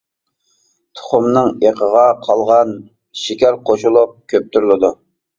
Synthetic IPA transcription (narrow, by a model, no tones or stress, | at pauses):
t̪ʰʊ̥χʊmnɨŋeqʰəʁɑqʰɑlˠʁɑn | ʃɪkʲæɾqʰoʃulˠup̚kʲʰøp̚t̪ʰyɾlˠɪd̪u